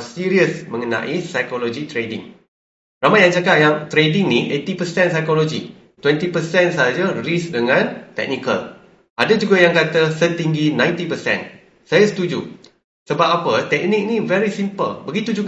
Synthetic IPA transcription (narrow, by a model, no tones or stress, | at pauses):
siɾiəsmə̃ŋənã̰ʔisajkolod͡ʒit̪ɾedḭŋ | ramajaŋd͡ʒakaʔjaŋt̪ɾediŋniʔet̪ipəsɛnsajkolod͡ʒḭ | t̪wɛnt̪ipəsɛnsaɦad͡ʒaris̚dəŋãnt̪ɛ̰k̚nikə̰l | ʔadad͡ʒuɡajaŋkat̪əsət̪iŋɡinãj̃nt̪ipəsɛ̰̃n | sajasə̥t̪ud͡ʒu | səbap̚apət̪ɛk̚nik̚nĩvɛɾisimpəlbəɡit̪ud͡ʒuɡ